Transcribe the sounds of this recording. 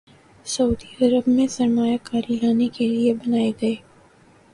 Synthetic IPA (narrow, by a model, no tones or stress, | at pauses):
sɐuːd̪iɐɾəbmẽsɐɾmaːjakaːɾilaːnekeliebɐnaːeɡɐeː